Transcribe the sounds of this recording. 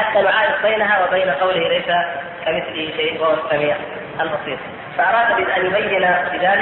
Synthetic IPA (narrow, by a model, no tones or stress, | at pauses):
ħat̪ːaːmʊʕaːɾɪdbajnaɦawabajnaqɑwlɪhlejsa | kamɪθliʃeːʔwauwasːamiːʕ | ʔalbɑsˤiːɾ | faʔɑɾˤɑːd̪bɪʔanjʊbajːɪnabɪðaːlɪ